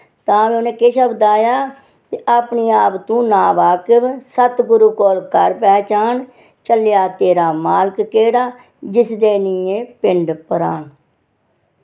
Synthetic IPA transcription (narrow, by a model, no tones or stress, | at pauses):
t̪ãːʋeonẽːkeːʃəbd̪aːjaː | kiʔaːpɳiːaːpt̪ũːnaːʋaːkɪʋsət̪ɡʊɾuːkoːlkəɾpɛːt͡ʃaːn | t͡ʃəljaːt̪eːɾaːmaːlkːeːɽaː | d͡ʒɪsd̪eːniːẽːpɪɳɖpəɾaːɳ